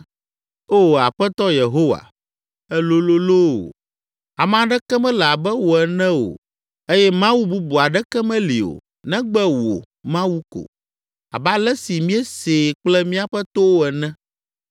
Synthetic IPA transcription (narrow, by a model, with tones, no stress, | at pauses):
o˦˨a˨ɸɛ˦t̪ɔ˦je˨ɦo˦wa̰˨ | ɛ˦lo˦lo˦lo˦o̰˨ | a˨m˨a˨ɖɛ˦kɛ˦mɛ̃˦lɛ˨a˨bɛ˦wo˨ɛ˨nɛ̃˦o̰˨ | e˦jɛ˦mã˦wu˦bu˦bu˨a˨ɖɛ˦kɛ˦mɛ̃˦li˨o̰˨ | nɛ̃˦ɡ͡bɛ˦wo̰˨ | mã˦wu˦ko̰˨ | a̰˨ba˦lɛ˦si˨mĩ˦ɛ˦se˨k͡plɛ˦mĩ˦a˨ɸɛ˦t̪o˦wo˦ɛ˨nɛ̃˦